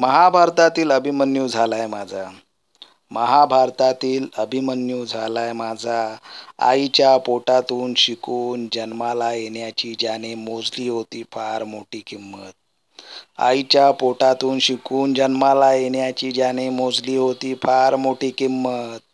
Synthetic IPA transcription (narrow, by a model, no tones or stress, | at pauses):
məɦabʱaɾt̪at̪iːləbʱimənjud͡zʱalajmad͡zʱa | məɦabʱaɾt̪at̪iːləbʱimənjuːd͡zʱalajmad͡zʱaa̰jt͡ɕjapoʈat̪uːnɕikuːnd͡ʑənmalajenjat͡ɕiːd͡ʑjaɽ̃emod͡zliːɦot̪iːfaɾmoʈiːkimːət̪̚ | a̰jit͡ɕjapoʈat̪uːnɕikuːnd͡ʑənmalajeɳjat͡ɕiːd͡ʑaɽ̃emod͡zliːɦot̪iːfaɾmoʈiːkimːət̪̚